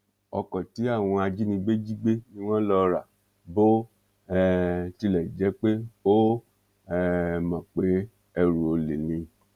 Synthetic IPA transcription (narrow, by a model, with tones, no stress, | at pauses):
ɔ̰˧kɔ̃˨ti˨˦a˦˨w̃ɔ̃˧a˧d͡ʒi˦nĩ˧ɡ͡be˦d͡ʒi˦ɡ͡be˦nĩ˦w̃ɔ̃˦lɔ˧ɾa˨ | bo˦ | ɛ˦ti˧˦lɛ˨d͡ʒɛ˨˦k͡pe˦bo˦ | ɛ˦mã˨k͡pe˨˦ | ɛ˧ɾu˨o˧le˨nĩ˨˧